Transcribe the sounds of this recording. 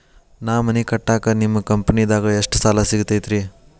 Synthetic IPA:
naːmɐnikɐʈːaːkɐnimːɐkɐmpɐnid̪aːɡɐeʂʈsaːlasiɡut̪ɐjt̪ɾi

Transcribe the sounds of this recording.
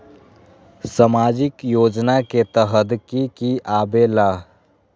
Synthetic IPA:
samaːd͡ʒɪkjoːd͡ʒnaket̪əɦəd̪kikiaːbeːlaː

